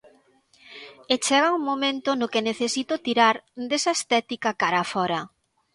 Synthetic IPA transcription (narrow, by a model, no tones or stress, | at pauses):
et͡ʃɛɣ̞auŋmomẽnt̪ʊnʊkeneθesit̪ʊt̪iɾaɾd̪esɐest̪ɛt̪ikakaɾafɔɾɐ